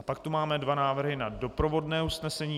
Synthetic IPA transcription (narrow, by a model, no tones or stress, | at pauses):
apak̚t̪umaːmɛdvanaːvr̩ɦɪnado̞pɾo̞vo̞dnɛːusnɛsɛɲiː